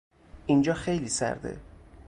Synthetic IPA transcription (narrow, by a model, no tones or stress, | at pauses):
ʔind͡ʒɒːxejliːsæ̰ɾd̪ḛ